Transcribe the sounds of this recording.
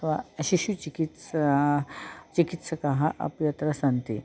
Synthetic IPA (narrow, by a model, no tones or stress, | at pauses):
ʋaɕiɕut͡ɕikit̪s | t͡ɕikit̪sɐkaɦaʔɐ̰pjɐt̪ɾɐsɐnt̪i